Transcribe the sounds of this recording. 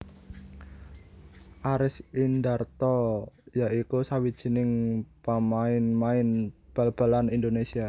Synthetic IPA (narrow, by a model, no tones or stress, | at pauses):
ʔaɾɪsindart̪ɔjaʔikusawid̥ʒ̥i̤nɪŋpamaɪnmaɪnb̥a̤lb̥a̤lanind̪onesia